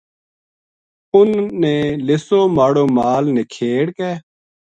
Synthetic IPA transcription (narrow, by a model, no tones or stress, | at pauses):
ʊnːeːlɪsoːmaːɽoːmaːlneːkʰeːɽkɛː